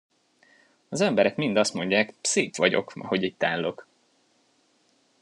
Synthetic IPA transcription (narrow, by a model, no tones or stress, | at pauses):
ɒzɛmbɛɾɛkmind̪ɒst̪mo̞ɲɟaːkseːpʋɒɟo̞̰kɒ̰ho̞ɟiːct̪aːlːo̞k